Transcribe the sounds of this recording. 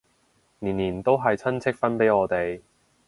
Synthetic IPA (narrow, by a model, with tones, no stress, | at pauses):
niː˨˩niː˨˩nt̪o˥wɦɐ˨jt͡sʰɐ˥nt͡sʰɪ˥k̚fɐ˥npe˨˥jɔː˨˧t̪e˨j